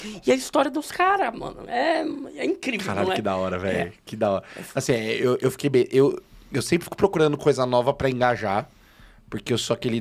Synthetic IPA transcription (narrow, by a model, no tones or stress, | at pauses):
ɪɐist̪ɔɾiɐd̪ʊskaɾɐmɐ̰̃nʊ̰ɛɛĩkɾivkewaɾalʎʊɛkɪd̪aɔɾɐvɛ̰jʊkɪd̪aɔɾɐasĩɛewʔewfi̥kejbẽʔewewsẽpɾɪfikʊ̥pɾokuɾɐ̃nd̪ʊkojzɐnɔvɐpɾɐẽɡaʒaɾ | poɾkeewsoakelɪ